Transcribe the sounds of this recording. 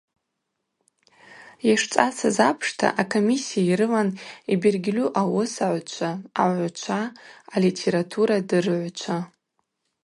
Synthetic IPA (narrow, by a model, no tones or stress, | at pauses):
jaʂt͡ʃʷʼasazapʰʂtʰa̰ʔakʰomisijaiɾɨlanibirɡʲluʔawosaʕʷt͡ʃʷʰaːʕʷt͡ʃʷʰaːlitʰeɾatʰuɾadɨrʕʷt͡ʃʷʰa